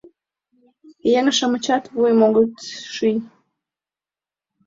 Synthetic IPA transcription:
jeŋəʃəmət͡ɕɑt̪βujmoɡət̪ʃynʲ

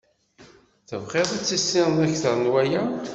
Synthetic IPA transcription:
θəvχɪðˤæt͡sːisːɪʁnæçθəɾˤnwæjæ

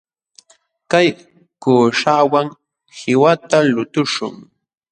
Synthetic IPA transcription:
kaj | kuːʂawaŋ | hɪwat̪alʊt̪ʊʂʊ̰ŋ

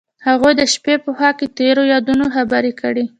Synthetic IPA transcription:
haɣujd̪əʃpepoxɑket̪eɾojɑd̪unoxabaɾikəɽi

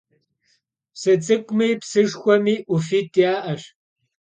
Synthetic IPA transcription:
psɨt͡sʼɨkʷʼmijpsɨʂxʷɔmiːʔufiːtʼijaːʔɐʂ

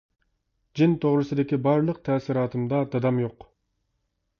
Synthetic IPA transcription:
d͡ʒint̪ʰoʁɾɨsɨd̪ekʲibɑɾlˠəq̚t̪ʰæːsiɾɑːt̪ʰɨmd̪ɑd̪ɑd̪ɑmjoq

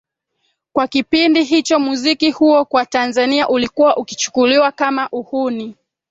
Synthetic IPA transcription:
kwakipindiɦit͡ʃɔmuzikihuɔkwatanzaniaʔulikuwaʔuki̥t͡ʃu̥kuliwakamaʔuhuni

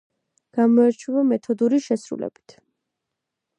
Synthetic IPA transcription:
ɡ̥amɔɛɾt͡ʃʰwɛvamɛt̪ʰɔd̪uɾiʃɛsɾṵlɛ̰b̥i̥t̪ʰ

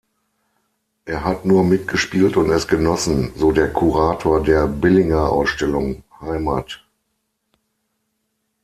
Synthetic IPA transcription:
ʔeːɐɦatnuːɐmɪtɡ̥əʃpiːltʊntɛsɡ̥ənɔsn̩zoːdeːɐkʰuʁaːtʰoːɐdeːɐbɪlɪŋɐʔa̰ʊsʃtɛlʊŋhaɪma̰ːt

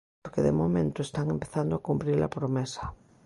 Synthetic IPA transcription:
ɾkeðḛmomẽnt̪oest̪aŋempeθand̪oakumpɾiɾla̰pɾomesḁ

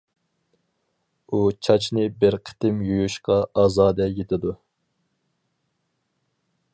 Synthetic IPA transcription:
ut͡ʃʰɑt͡ʃʰnɪbɪɾqʰə̥t̪ɪmjujuʃqɑɑːzɑːd̪ɛjet̪ʰɪd̪u

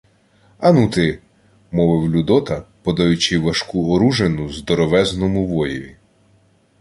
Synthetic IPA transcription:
ɐnut̪ɪ | mɔʋɪwlʲud̪ɔt̪ɐpɔd̪ɐjʊt͡ʃɪʋɐʃkuɔɾuʒenʊzd̪ɔɾɔʋɛznɔmʊʋɔjɔʋʲi

